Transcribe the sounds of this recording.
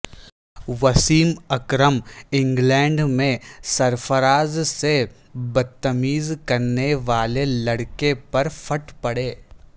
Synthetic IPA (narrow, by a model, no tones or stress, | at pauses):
ʋɐsiːmɐkɾəmɪ̃ŋɡlɛ̃ːɳɖmẽsɐɾfəɾaːzse | bɐt̪ːəmiːzkɐɾneʋaːlelɐɽkepɐɾfʰɐʈpɐɽeː